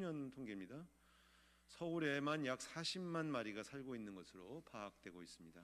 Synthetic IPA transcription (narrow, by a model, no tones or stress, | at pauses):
ɲʌntʰoŋɡemɲida | sʰʌuɾe̞manjak̚s͈aɕʰimmːanmaɾiɡasʰaɭɡoinːɯnɡʌsʰɯɾopʰaːk̚t͈we̞ɡois͈ɯmɲida